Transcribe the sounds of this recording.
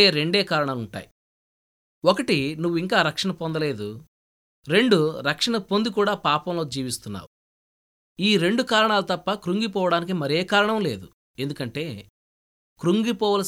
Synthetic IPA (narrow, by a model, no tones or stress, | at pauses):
eːɾe̞ɳɖeːkaːɾɐɳaːluɳʈa̰ːji | okɐʈinuʋːuiŋkaːɾɐkʂɐɳɐpo̞nd̪ɐle̞ːd̪u | ɾe̞ɳɖuɾɐkʂɐɳɐpond̪ik̬uːɽaːpaːpɐmlo̞ːd͡ʒiːʋist̪unːa̰ːu | iːɾe̞ɳɖukaːɾɐɳaːlut̪ɐpːɐkɾuŋɡipɔːʋɐɽaːnik̬imɐɾeːkaːɾɐɳɐmle̞̰ːd̪u | e̞nd̪ukɐɳʈe̞ː | kɾuŋɡipɔːʋɐlɐ